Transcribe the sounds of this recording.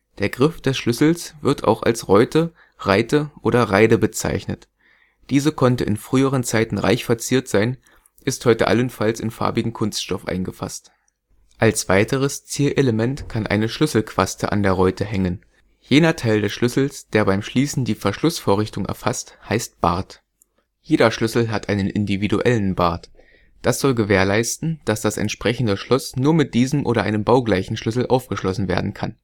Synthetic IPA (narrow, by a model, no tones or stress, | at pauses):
d̥eːɐɡʁɪfd̥ɛsʃlʏsl̩sv̥ɪɐtʰa̰ʊxa̰lsʁɔʏtʰə | ʁaɪtəʔoːɾɐʁaɪdəbət͡sa̰ɪçnət | d̥iːzəkʰɔntəʔɪnfʁ̥yːəʁ̞ənt͡saɪtn̩ʁa̰ɪçfɛɐt͡siːɐtz̥aɪn | ʔɪsthɔʏtə̰ʔa̰lənfalsɪnfa̰ɐbɪɡŋ̩kʰʊnstʃtɔfʔa̰ɪnɡəfa̰st | ʔalsv̥aɪtəʁ̞əst͡siːɐʔeləmɛntkʰanʔa̰ɪnəʃlʏsl̩kʰv̥astəʔa̰ndeːɐʁɔʏtʰəɦɛŋən | jeːdɐtʰaɪldɛsʃlʏsl̩sd̥eːɐbaɪmʃliːsn̩diːfɛɐʃlʊsfoːɐʁ̞ɪçtʊŋʔɛ̰ɐfasthaɪst̚b̥a̰ɐt | jeːɾɐʃlʏsl̩ɦatʔaɪnənʔɪndividuʔɛlən̩baɐt | d̥asz̥ɔlɡəveːɐlaɪstn̩d̥asd̥asɛ̰ntʃpʁ̥ɛçn̩dəʃlʊsnuːɐmɪt̚d̥iːzəm̩ʔoːɾɐʔaɪnəmbaʊɡlaɪçn̩ʃlʏsl̩ʔaʊfɡ̥əʃlɔsn̩vḛːɐdn̩kʰan